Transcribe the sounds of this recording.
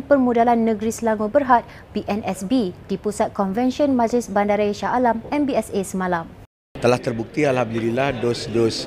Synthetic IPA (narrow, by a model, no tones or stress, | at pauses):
pərmũdalanːə̃ɡɾisəlaŋubərɦat̪̚ | piʔɛnɛsbid̥ipusat̪̚kɔnvɛnʃiɔnmãd͡ʒlɪsbandaɾaiʃaalamɛmbiɛsesəmãlam | t̪əlaht̪ərbuk̚t̪ialhamd̪ililahdosdos